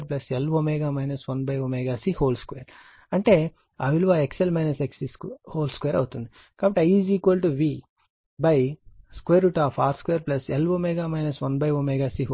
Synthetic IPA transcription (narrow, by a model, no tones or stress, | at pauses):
ɾplɐselʋoːmeːɡaːmɐjnɐsʋɐnbɐjoːmeɡaːsihoːlskʋeːɾ | ɐɳʈeː | aːʋiluʋaːekselmɐjnɐseksishoːlskʋeːɾɐ̰wut̪und̪i | kaːbɐʈːiɐjiːziːkʋɐlʈuʋi | bɐjskʋeːɾuʈaːfʰaːskʋeːɾplɐselʋoːmeɡaːmɐjnɐsʋɐnbɐjʋoːmeɡaːsiːɦ